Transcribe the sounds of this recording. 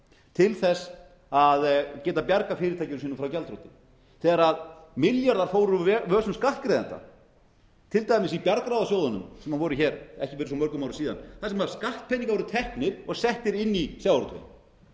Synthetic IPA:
t̪ʰɪlθɛs | aðcɛːt̪apjaɾkafɪːɾɪɾt̪ʰajcɪsiːnʏmfɾawcɛlt̪ɾowt̪ɪ | θɛːðaɾaðmɪljaɾðaɾfoːwɾʏvœːsʏmskaht̪kɾɛːðant̪a̰ | t̪ʰɪlt̪aːjmɪsipjaɾkɾawðasjoːwðanʏ̰msɛmanvɔːɾʏçɛːɾɛ̰hcɪfɪɾsɔmœɾkʏmawɾʏ̥siːða̰nθasɛmaɾskaht̪̚pʰɛniŋkavɔɾʏt̪ʰɛhknɪɾɔɣsɛht̪ɪɾɪnːisjawɾt̪vḛn

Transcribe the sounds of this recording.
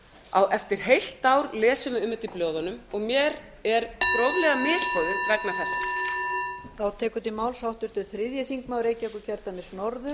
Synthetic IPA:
awʔɛft̪ɪɾ̥ɦejl̥t̪ːaːwɾlɛːsʏmʏmːʏt̪iploːwðanʏmɔɣmjɛɾ | ɛɾt̪ɾowlɛɣamɪːspɔðʏɾɾaknaθɛs | θawt̪ʰɛːkʏt̪imaːwlshawht̪ʏɾ̥t̪ʏɾθɾɪðjɪθiŋkmaːwɾeːjcɪɔhkʏɾcʰɛɾt̪amɪsnɔɾðʏ

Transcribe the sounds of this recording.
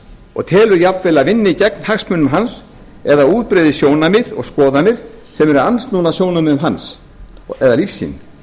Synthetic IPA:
ɔ̰ɣt̪ʰɛːlʏɾjap̪vɛlaðvɪnːɪcɛknhaksmʏnʏmɦans | ɛðauːt̪̚pɾɪːðɪsjoːwnamɪɾɔ̰ɣskɔːðanɪɾ̥sɛmɛɾʏɾanst̪nuːnasjownamɪðʏmɦans | ɛðalifsːḭn

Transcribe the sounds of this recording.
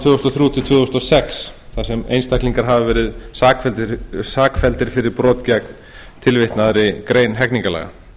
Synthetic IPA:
t̪vʏːʏst̪ɔθɾjuːt̪ʰɪlt̪ʰvɛːɔst̪ɔsɛksθasɛmḛjnst̪akliŋkaɾ̥ɦavvɛːɾɪðsaːkfɛlt̪ɪɾsaːkfɛlt̪ɪɾ̥fɪɾɪɾpɾɔːt̪cɛkn | t̪ʰɪlvɪht̪naðɾɪkɾejnɦɛkniŋkalɛ̰ɣa̰

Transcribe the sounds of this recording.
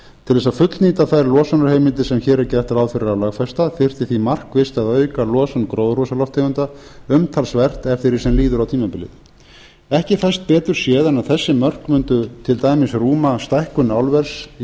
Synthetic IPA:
t̪ʰɪlðɛsaðfʏt̪lniːt̪aθajɾlɔːsanaɾ̥heːjmɪnt̪ɪsɛmçɛːɾɛɾcɛht̪aɾawfɪɾɪɾawlaɣfɛst̪aθɪr̥t̪ɪθimar̥kvɪst̪aðœːɥkalɔːsankɾowðrɔsalɔft̪ʰeʏnt̪aʏmt̪ʰalsvɛr̥t̪ɛft̪ɪɾisɛmliːðʏɾawt̪ʰiːmapɪlɪ̰ð | ɛhcɪθast̪̚pɛːt̪ʏɾ̥sjɛːðanaðθɛsːɪmœr̥kmʏnt̪ʏt̪ʰɪlt̪aːjmɪsruːmast̪ajhkʏnawlvɛɾ̥s

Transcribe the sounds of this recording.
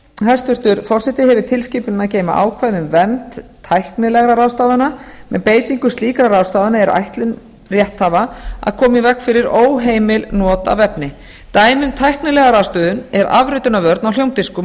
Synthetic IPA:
hḁst̪ʏr̥t̪ʏɾfɔrsɛht̪ɪɦɛvʏt̪ʰɪlsciːpʏnɪnaðceːjma̰ʔa̰ːwkʰvajðʏmvɛnt̪ʰː | ajhknɪlɛɣɾaɾawst̪aːðanamɛ̰npeːjt̪iŋkʏst̪liːkɾaɾawst̪aːðanaɛɾa̰jht̪lɪn | rjɛht̪havaa̰ðkʰɔːmɪvɛkfɪɾɪɾoːwɦeːjmɪlnɔːt̪a̰vɛpnɪ | t̪aːjmʏmt̪ʰajhknɪlɛɣaɾawst̪œːðʏnɛɾa̰vɾʏt̪ʏnavœɾt̪nawl̥jowmt̪ɪskʏ

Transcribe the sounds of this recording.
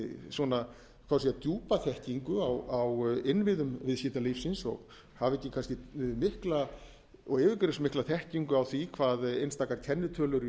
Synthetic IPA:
sɔːna | kʰvawsiat̪juːpaθɛhciŋkʏawawɪnvɪðʏmvɪðsjiːt̪alifsɪnsɔ̰ɣ | havɛcːɪkʰanscɪmɪhkla | ɔɣɪvɪkʏɾɪsmɪhklaθɛhciŋkʏawθikʰvaːðejnst̪aːkaɾ̥cʰɛnːɪt̪ʰœːlʏɾ

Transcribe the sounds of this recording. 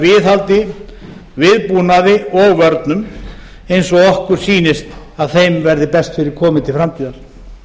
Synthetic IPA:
vɪðɦhalt̪ɪ | vɪðpuːnaðɪɔɣvœɾt̪nʏm | ejnsɔɣɔhkʏɾ̥siːnɪst̪ | aðθejmvɛɾðɪpɛst̪fɪɾɪɾ̥kʰɔːmɪt̪ʰɪlfɾamt̪ʰiːðaɾ̥

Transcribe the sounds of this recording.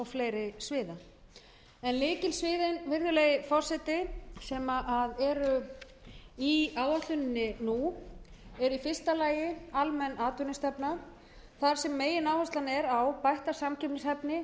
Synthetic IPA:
ɔɣfleːjɾɪsvɪːða | ɛnlɪːcɪlsvɪːðɪnvɪɾðʏlɛːjɪfɔr̥sɛt̪ɪsɛmaʔaðɛɾʏ | iaːwðaht̪ʏnɪnːɪnu | ɛɾifɪr̥st̪alaːjɪalmɛnːaːt̪ʏnɪst̪ɛpna | θaɾ̥sɛmːeːjɪnaːwhasanɛɾawpajht̪ḁsamcʰɛpnɪshɛpnɪ

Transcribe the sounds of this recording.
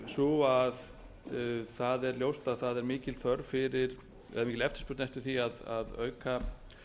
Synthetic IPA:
sɔað | θaðɛɾljowst̪aðθaðɛɾmɪːcɪlθœɾfɪɾɪɾ̥ | ɛ̰ðamiːcɪlɛft̪ɪ̥ɾspʏɾt̪nɛjht̪ʏ̥θiaða̰ðœ̰ːɥka

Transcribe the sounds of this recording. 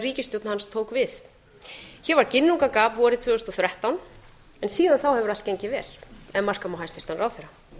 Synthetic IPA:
riːcɪst̪jowt̪nhanst̪ʰoːwkvɪð | çɛɾvaɾ̥cɪnːuŋkakaːpvɔɾɪt̪ʰvœːʏst̪ɔθɾjaht̪awn | ɛnsiːðanθawhɛvʏɾalt̪̚cejɲcɪvɛːl̥ɛnmar̥kamawɦajst̪ɪst̪hanːɾawθeɾa

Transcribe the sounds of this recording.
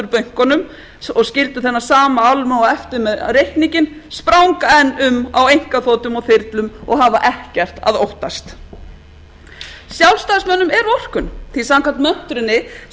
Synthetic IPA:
ʏɾpœɥŋ̥kɔnʏm | ɔɣscɪlt̪ʏθɛnːasaːmaalmawɛft̪ɪɾmɛðrejhkniŋcɪnspɾawŋkaɛnːʏmawejŋ̥kaθoːwt̪ʏmɔɣθɪɾt̪lʏmɔ̰ɣɦavaʔɛhcɛr̥t̪a̰ðowht̪ast̪ | sjawlst̪asmœnːʏmɛɾɔr̥kʏnθisamkʰvant̪mœn̥t̪ɾɪnːɪ

